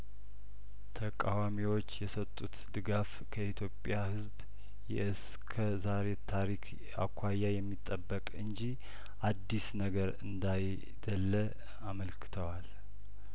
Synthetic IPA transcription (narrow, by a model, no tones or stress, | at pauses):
t̪ʰəkʼawamiwo̞t͡ʃːjɛsət̪ʼːut̪d̪ɨɡaf | kʰəʔit̪ʰjo̞pʼjahɨzb | jɛ̰ʔɨs | kʰəzaɾe̞t̪ʰaɾikʰ | a̰kʷʰːajːajɛmːit̪ʼːəbːəkʼɨnd͡ʒi | ʔad̪ːisnəɡəɾɨnd̪aj | d̪əlːə | aməlkʰɨ̥t̪ʰəwal